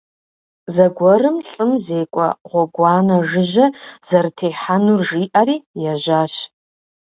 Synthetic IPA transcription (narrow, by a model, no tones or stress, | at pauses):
zɐɡʷɔrɨmɬʼɨmzeːjkʷʼɔ̰ʁʷɔɡʷaːnɐʐɨʒɐz̥ɐrtʰejħanurʒiːʔaɾiːjaʒaːʃ